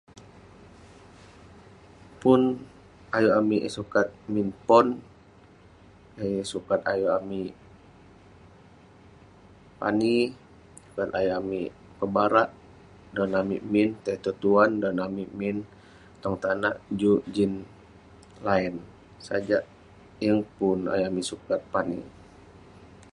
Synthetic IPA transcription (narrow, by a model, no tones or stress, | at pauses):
pun | ajuamiʔsukat̪̚minpɔn | esukat̪ajuami | pa̰ni | su̥kat̪ajuami | pəbaɾaʔ | dɔnamimint̪at̪ot̪uandɔnamimin | t̪ɔŋt̪anaʔd͡ʒud͡ʒin | laɛn | sad͡ʒaʔ | jəŋpuna̰juamisukat̪̚panḭ